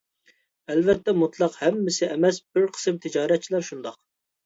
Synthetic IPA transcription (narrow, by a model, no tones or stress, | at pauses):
ɛlvɛt̪ːɛmut̪ʰlˠɑqhɛmːɪsɪʔɛmɛsb̥ɪɾqʰə̥sɨmt̪ʰɪd͡ʒɑːɾɛt̪̚t͡ʃʰilˠæɾʃund̪ɑq